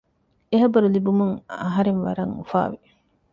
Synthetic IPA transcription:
eɦɐbɐɾulibumuŋa̰ɦɐɾeŋʋa̰ɾɐŋufa̰ːʋi

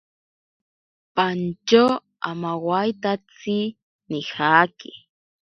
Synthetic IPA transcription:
pant͡ʃo | amawajt̪at͡sɪ | nɪxaːkɪ

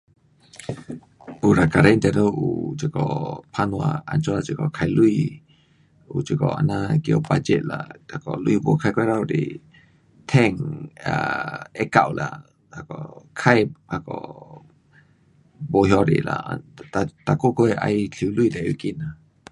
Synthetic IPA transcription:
uɾakaɾaint̪ɛɾoʔut͡ʃəkɔpʰanwaant͡ʃɔlat͡ʃəkɔkʰajlui | ut͡ʃəkɔa̰nakiopad͡ʒɛʔla̰akɔluibokʰakeɾauɾḭ | t̪ʰɛŋaɛkawla̰ | akɔkʰajakɔ | boɦjɔɾḭla̰at̪akokoeʔa̰jt͡ɬʰiwluid̪ɛikina

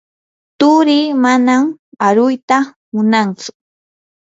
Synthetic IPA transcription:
t̪ʊɾɪːmanamaɾʊjt̪a | mʊnant͡sʊ̥

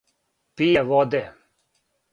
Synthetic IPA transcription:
pijeʋɔd̪e

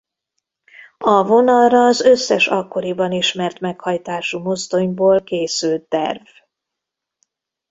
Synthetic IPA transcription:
ɒvo̞nɒlrɒːzø̞sːɛʃɒkːo̞ɾibɒniʃmɛrt̪mɛkhɒjt̪aːʃumo̞zd̪o̞ɲboːlkeːsylt̪ːɛ̰rv

